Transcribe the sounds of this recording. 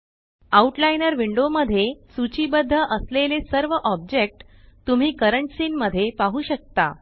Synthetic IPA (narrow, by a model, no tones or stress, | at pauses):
auʈlainəɾʋiɳɖoməd̪ʱːjesut͡ɕiːbəd̪ʱːəʔəslelesəɾʋəʔɔb̚d͡ʑek̚ʈ | t̪um̤iːkəɾəɳʈsiːnməd̪ʱːjepaɦuːɕək̚t̪a̰